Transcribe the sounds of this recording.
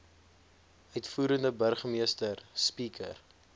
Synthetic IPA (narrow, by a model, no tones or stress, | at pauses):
œɥtfuːɾəndəbərχmiəstərspikʰə̰r